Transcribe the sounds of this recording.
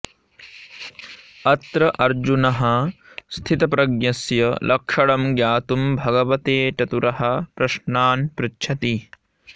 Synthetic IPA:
ɐt̪ɾɐʔɐɾd͡ʒunɐɦɐ | st̪ʰit̪ɐpɾɐɡjɐsjɐlʔɐkʂɐɭɐmɡjaːt̪umbʱɐɡɐʋɐt̪eːʈɐt̪uɾɐɦɐ̆pɾɐʃnaːnpɾɪtːʰɐt̪i

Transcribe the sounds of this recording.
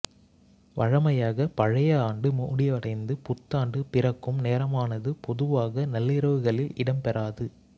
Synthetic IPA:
ʋɐɻɐmɐjaːɣɐpɐɻɐjɐaːɳɖɯmʊːɽɪɐɽɐɪnd̪ɯpʊt̪ːaːɳɖɯpɪrɐkːɯmneːɾɐmaːnɐðɯpɔðɯʋaːɣɐnɐlːɪɾɐʋɯɣɐɭɪlɪɽɐmpɛɾaːðɯ

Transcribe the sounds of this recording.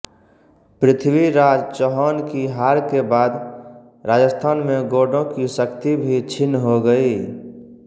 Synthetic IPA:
pɾɪt̪ʰbiɾaːd͡ʒt͡ʃɔɦɔːnkiɦaːɾkebaːd̪ | ɾaːd͡ʒəst̪ʰaːnmẽɡoːɖõkisəkt̪ibʱit͡ʃʰɪnːɦoɡəi

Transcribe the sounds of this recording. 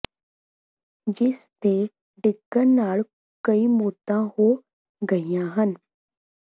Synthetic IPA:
d͡ʒɪst̪ʰeː | ɖɪɡəɾnaːɭ | kəimoːt̪ãhoː | ɡəijãːɦən

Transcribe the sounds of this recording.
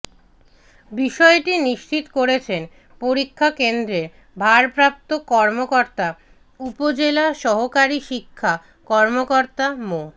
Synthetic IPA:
biʃɔeʈiniʃt͡ɕit̪koɾet͡ɕʰen | poɾikʰːakend̪ɾeɾ | bʱaɾpɾap̚t̪okɔɾmokoɾt̪a | upod͡ʑelaʃɔɦokaɾiʃikʰːa | kɔɾmokoɾt̪amo

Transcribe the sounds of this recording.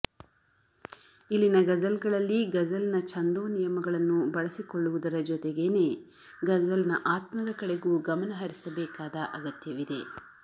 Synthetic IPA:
ilːinɐɡɐd͡ʒɐlɡɐɭɐlːiɡɐd͡ʒɐlnɐt͡ʃʰɐnd̪oːnijɐmɐɡɐɭɐnːubɐɭɐsikoɭːuʋud̪ɐɾɐd͡ʒɔt̪ɛɡeːne̞ː | ɡɐd͡ʒɐlnɐʔaːt̪mɐd̪ɐkɐɽe̞ɡuːɡɐmɐnɐɦɐɾisɐbɛːkaːd̪ɐʔɐɡɐt̪jɐʋid̪e̞

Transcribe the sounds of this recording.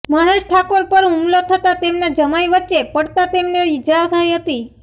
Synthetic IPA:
məɦeʃʈʰakoɾpəɾɦumlot̪ʰət̪at̪emnad͡ʒəmajʋətːʃepəɽt̪at̪emneɪd͡ʒaɾt̪ʰəjɦət̪i

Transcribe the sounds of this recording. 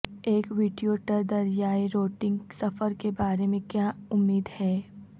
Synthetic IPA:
eːkʋiːɖijoːʈəɾd̪ɐɾjaːiɾoːʈɪ̃ŋɡsɐfəɾkebaːɾemẽkjaːʊmːiːd̪hɛː

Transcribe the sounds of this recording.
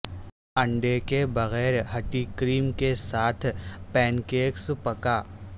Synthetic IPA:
ɐ̃ɳɖekebɐɣɛːɾɦɐʈikɾiːmkesaːt̪ʰpɛ̃ːnkeːkspɐkaː

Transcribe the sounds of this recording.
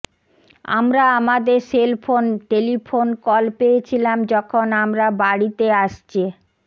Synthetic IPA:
a̰mɾaamad̪eɾselpʰonʈelipʰonkɔlpejet͡ɕʰilamd͡ʑɔkʰonamɾabaɽit̪eaʃt͡ɕʰi

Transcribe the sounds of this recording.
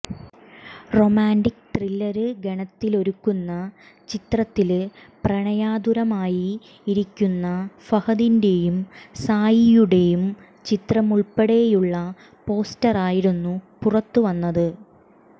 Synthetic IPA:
ro̞maːndikːt̪rilːɐɾɨɡeɳɐt̪ːilo̞ɾukːunːɐ | t͡ɕit̪rɐt̪ːilprɐɳɐjaːd̪uɾɐmaːjiː | ɾikʲːunːɐfɐhɐðinde̞jumsaːjijuɽe̞jum | t͡ɕit̪rɐmuɭpeɽejejuɭːɐ | po̞ːstɐraːjiɾunːupurɐt̪ːuʋɐnːɐðɨ

